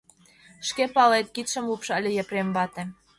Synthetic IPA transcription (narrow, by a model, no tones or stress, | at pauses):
ʃkepɑlet̪̚kit̪ʃə̆mlupʃə̆lʲĕjɑ̆premβɑt̪ĕ